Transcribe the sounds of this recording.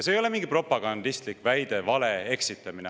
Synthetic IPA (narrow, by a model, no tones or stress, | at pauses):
ɑseːjo̞lemiŋɡ̥ipro̞pːˑɑɡ̥ɑnd̪̥ist̪likvæjd̪e̞vɑlee̞ksit̪ːˑɑmine